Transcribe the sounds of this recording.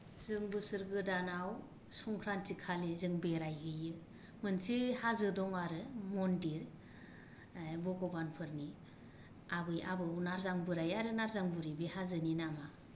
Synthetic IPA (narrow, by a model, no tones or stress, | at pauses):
zɯŋbɯsɯɾɡɯdanaw | sɔŋkʰɾantʰikʰalezɯŋbeɾajɦɯjɯ | mɯnsebehazɯdɔŋaɾɯmɔndiɾ | bɔɡɔbanpʰɯɾni | abɯja̰bɯunaɾzaŋbɯɾajaɾɯnaɾzaŋbuɾibihazɯninama